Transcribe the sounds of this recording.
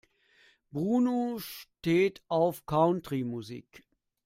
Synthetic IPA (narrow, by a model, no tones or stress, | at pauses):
bʁuːnoʃteːtʔaʊfkʰaʊntʁ̥imuzḭːk